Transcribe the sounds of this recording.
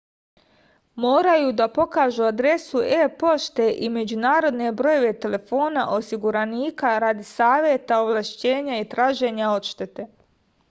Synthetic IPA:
moːɾajuːd̪apo̞kaːʒuad̪ɾe̞sueːpo̞ʃt̪e̞ʔime̞d͡ʑunaːɾo̞d̪ne̞bɾo̞jo̞ʋe̞t̪e̞le̞fo̞ːna̰ʔo̞siɡuɾaniːkaɾaːd̪isaːʋje̞t̪aoʋlaʃt͡ɕe̞ːɲait̪ɾaːʒe̞ːɲao̞t̪ʃt̪e̞t̪e̞

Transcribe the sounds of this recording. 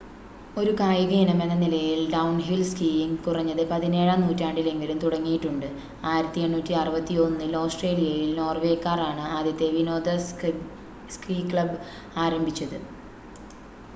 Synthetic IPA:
o̞ɾukaːjiɣiːnɐme̞nːɐnilɐjilɖɐwnɦilskiːjiŋkurɐɲːɐðɨpɐðine̞ːɻaːmnuːtːaːɳɖile̞ŋɡilumt̪uɽɐŋːijiʈːuɳɖɨ | aːjiɾɐt̪ːieɳːuːtːiɐrɐbɐt̪ːio̞nːɨiloːsʈreːlijɐjilno̞ːrʋe̞ːkːaːraːɳɨaːd̪jɐt̪ːe̞ʋino̞ːd̪ɐ | skriːkɭɐb | aːɾɐmbʱit͡ɕːɐðɨ

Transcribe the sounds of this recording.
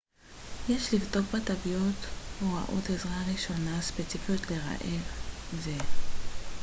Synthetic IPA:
jeʃlivdo̞kbatavijotoʁa̰ʔo̞̰tezʁaʁiʃo̞naspet͡sifijot̪le̞ʁa̰ʔelze

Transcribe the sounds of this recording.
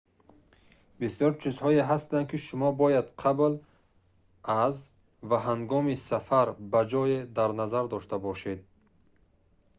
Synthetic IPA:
bisjɔɾt͡ʃʰizhɔeɦast̪an̚kʰiʃumɔbɔjad̪qʰabl | az | vaɦaŋɡɔmisafaɾbad͡ʒɔjed̪aɾnazaɾd̪ɔʃt̪abɔʃed̪̚

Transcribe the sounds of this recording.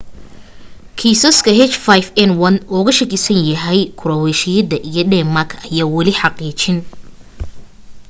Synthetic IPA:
kʰiːsɔskʰɐɦɛt͡ʃfajfɛnwɐnɔːɣɐʃɐkʰɪsɐnjɐɦɛjkʰʊɾɐwɛʃɪjɐd̪ɐʔijɞdɛmɐkʰɐjaːwɐlɪħɑqiːt͡ʃɪn

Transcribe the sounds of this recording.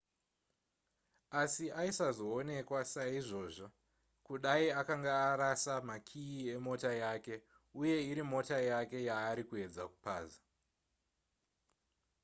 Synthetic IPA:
asiʔaisazo̞one̞kwasaiʐo̞ːʐo | kuɗaiakaŋɡaːɾasamakʰiie̞mo̞tajake̞ | uje̞iɾimo̞tajake̞jaːɾikue̞d͡zaku̥pa̰ːza

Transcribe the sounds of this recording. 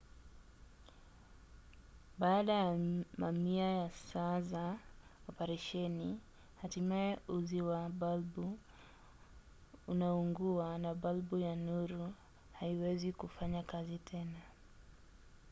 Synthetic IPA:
baːɗajamamiajasazaɔpɛɾɛʃɛni | hatimajɛuziwaɓalbu | unauŋɡuanaɓalbujanuɾu | haiwɛzikufaɲakazitʰɛna

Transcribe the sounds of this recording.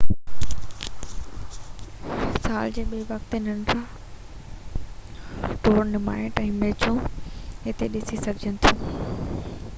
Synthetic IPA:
saːld͡ʑeːɓiːʋɐkt̪ɪnən̆ɾãː | ʈoːɾnɪma̰ːɪʈɛ̃ːmeːt͡ɕõɪt̪eɗɪsisɐɡʱd͡ʑənɪ̆t̪ʰũː

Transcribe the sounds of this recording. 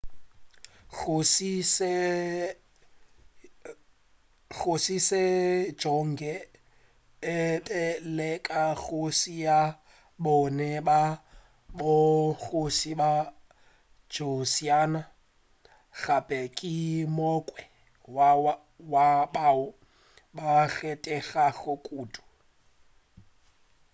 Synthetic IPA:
ɣosise | ɣosise̥d͡ʒɔŋ̩ɡɛ | ɪtʼɛlɛkʼaɣosija | bʊnɛba | bʊɣosiba | d͡ʒosiana | ɣapʼɛkʼimokʼwɛ | w | wabaːʊ | baɣɛtʼɛɣaɣʊkʼuːtʼu̥

